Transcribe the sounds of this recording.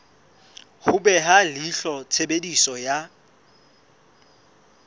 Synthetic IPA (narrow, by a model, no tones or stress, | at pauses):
hʊɓɛɦaliɬɔt͡sʰeɓedisɔja